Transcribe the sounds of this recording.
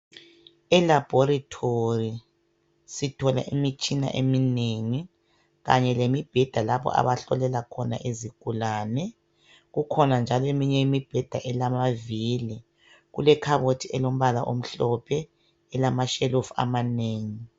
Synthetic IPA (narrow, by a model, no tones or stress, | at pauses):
ɛlab̥ʱoɾitʰori | sitʰɔla̰ʔimit͡ʃʼina̰ʔemineŋi | ɣa̰ɲɛlemib̥ʱɛd̥ʱalaβɔ̰ʔa̰βaɬɔlɛlakʰɔna̰ʔeziɡ̥ʱulaːnɛ | ɣukʰɔnand͡ʒʱalɔemiɲɛimib̥ʱɛd̥ʱaʔɛlamaviːli | ɣulɛkʰaβotʰiɛlom̩βalaʔo̰m̩ɬɔpʰɛː | lamaʃɛlofa̰maneːŋi